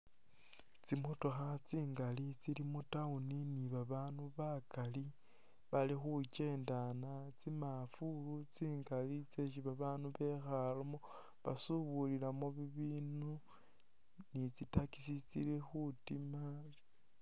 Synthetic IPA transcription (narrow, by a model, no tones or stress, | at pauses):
t͡simutoxat͡siːŋɡalit͡silimutauniniβaβaːnuβakali | βalixut͡ʃe̞ːndanat͡simafulut͡siːŋɡalit͡seʃ̬iβaβaːnuβe̞xalomo | βa̰suβulilamoβiβiːnu | nit͡sitakisit͡sḭlexutima